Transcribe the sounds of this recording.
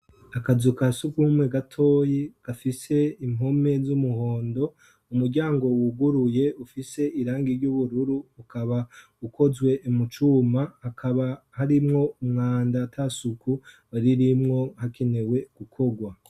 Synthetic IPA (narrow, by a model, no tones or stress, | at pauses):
akazukasukuhumweɡatʰo̞ːjiɡ̥afise̞imo̞me̞zumuho̞ːndo̞ | umuɾɟaːŋɡo̞wuɡuɾuje̞ufise̞iɾaːŋɡiɾɟuβuɾuɾuːkaβa | ukʰo̞zɡwe̞ʔimut͡ʃuːmahakʰaβa | haɾimŋo̞umŋaːndatʰasukʰu | aɾiɾimŋo̞hakʰe̞ne̞we̞ɡ̥ukʰo̞ɡwa